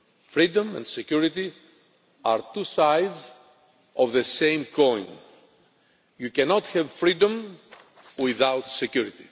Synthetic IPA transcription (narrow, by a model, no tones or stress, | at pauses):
fɾid̪õmɛ̰̃nsekuɾit̪i | aɾt̪usajdz | ovðesẽjmkʰõj̃n | jucɛnot̪hɛvfɾid̪õm | wiðawt̪sekjuɾit̪i̥